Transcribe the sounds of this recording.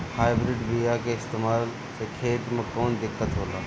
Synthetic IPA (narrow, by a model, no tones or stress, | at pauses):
haːɪbɾɪɖbijakeɪst̪eːmaːl | sekʰeːt̪mẽkɔːnd̪ɪkːət̪ɦoːlaː